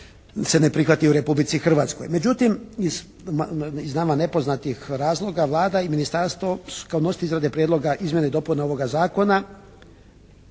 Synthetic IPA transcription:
se̞nepɾixʋat̪iuɾe̞publit̪sixr̩ʋat̪sko̰jme̞d͡ʑut̪imiz | iznaːmane̞po̞znat̪ixɾaːzlˠo̞ɡaʋlˠaːd̪aiminist̪aɾst̪ʋo̞su̥kaono̞st̪iizɾad̪e̞pɾjed̪lˠo̞ɡaʔizmje̞neid̪o̞punao̞ʋo̞ɡazaːko̞na

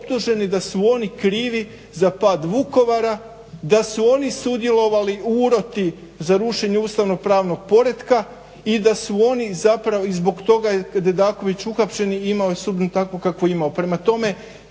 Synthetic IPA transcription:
opt̪uʒe̞nid̪asuo̞nikɾiːʋi | zapaːd̪ʋuko̞ʋaɾa | d̪asuo̞nisud̪je̞lˠo̞ʋaliuːɾo̞t̪i | zaɾuʃe̞ɲeuːst̪aʋno̞pɾaːʋno̞ɡ̥̚po̞ɾe̞d̪ka | id̪asuo̞nizapɾaʋo̞izbo̞ɡt̪o̞ɡajekad̪jed̪aːko̞ʋit͡ɕuxapʃe̞niimaojesubnut̪akʋo̞kakʋoimaopɾe̞mat̪o̞me̞

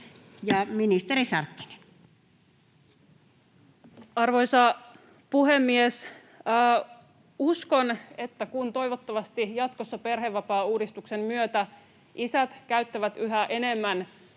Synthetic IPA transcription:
jɑminist̪erisɑrkːi̥ne̥n | ɑrʋo̞jsɑ | puɦe̞mːies | usko̞ne̞t̪ːækunt̪o̞jʋot̪ːɑʋɑst̪ijɑt̪ko̞sːɑpe̞rɦe̞ʋːɑpɑːuːdist̪ukse̞mmyøt̪æ | ʔisæt̪kæɥt̪ːæʋæt̪yɦæʔe̞ne̞mːæn

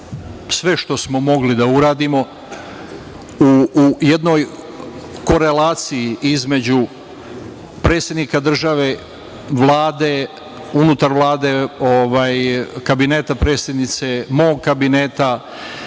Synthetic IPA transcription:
sʋe̞ʃt̪o̞smo̞mo̞ɡlid̪auɾaːd̪imo̞ | uje̞d̪no̞ːj | ko̞ɾe̞laːt̪sijiʔizme̞d͡ʑu | pɾe̞ːt̪sjed̪nikad̪r̩ʒaʋe̞ | ʋlˠaːd̪e̞ | unut̪aɾʋlˠaːd̪e̞oʋaːjkabine̞ːt̪apɾeːsje̞d̪nit̪se̞mo̞ːɡkabineːt̪a

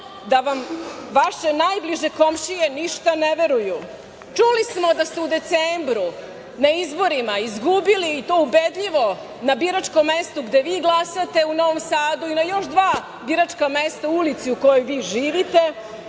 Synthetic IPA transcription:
d̪aʋamʋaʃe̞najbliʒeko̞mʃije̞niʃt̪aneʋe̞ɾuju | t͡ʂulismo̞d̪ast̪eud̪e̞t̪seːmbɾu | naizbo̞ɾimaizɡubiliːt̪oːubed̪ʎiʋo̞ | nabiɾat͡ʂko̞mːest̪uɡd̪eʋiːɡlˠasat̪e̞uno̞ʋomsaːd̪uinajo̞ʃd̪ʋaː | biɾat͡ʂkame̞st̪aulit̪siuko̞jojʋiːʒiːʋit̪e̞

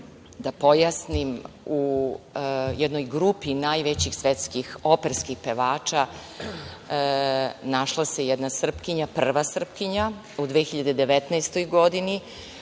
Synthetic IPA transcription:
d̪apo̞jasnim | u | jɛd̪no̞jɡɾupinajʋet͡ɕixsʋet̪skixo̞peɾskixpeʋaːt͡ʃa | naʃlˠase̞jɛd̪nasr̩pkiɲapr̩ʋasr̩pkiɲa | ud̪ʋexiʎad̪ed̪eʋet̪nɛjst̪o̞jɡo̞d̪ini

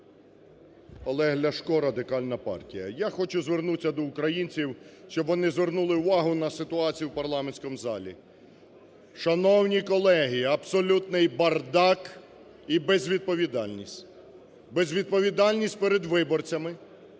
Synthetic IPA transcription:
ɔlˠɛɦlʲɐʃkɔɾɐd̪ɪkɑlʲnɐpɑ̰rtʲijɐ̰jaxɔt͡ʃʊzʋernut͡sʲːɐd̪ɔʊkɾɐjinʲt͡sʲiwʃt͡ʃɔbʋɔnɪzʋernulˠɪʊʋɑɦʊnɐsɪt̪ʊɑt͡sʲijuwpɐrlˠɑmenʲsʲkɔmʊzɑlʲḭ | ʃɐnɔwnʲikɔlˠɛɦiɐbsɔlʲut̪nɪjbɐrd̪ɑk | ibezʲʋʲid̪̚pɔʋʲid̪ɑlʲnʲisʲtʲ | bezʲʋʲid̪̚pɔʋʲid̪ɑlʲnʲisʲt̚ʲpeɾed̪ʋɪbɔrt͡sʲɐmɪ

